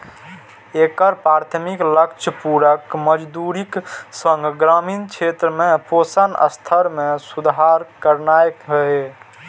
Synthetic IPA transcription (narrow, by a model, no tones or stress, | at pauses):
ekəɾpɾaɾt̪ʰmikləkt͡ʃʰəpuɾəkməd͡ʒd̪uɾiksəŋɡɡɾamint͡ʃʰet̪ɾəmeposənə̰st̪ʰəɾmesud̪ɦaɾkəɾnajɦəe